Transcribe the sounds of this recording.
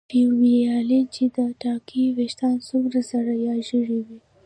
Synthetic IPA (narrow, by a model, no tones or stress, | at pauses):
piwiɑlent͡ʃid̪əʈɑkiweʃt̪ɑnsumɾasaɾajɑʒəɽiwi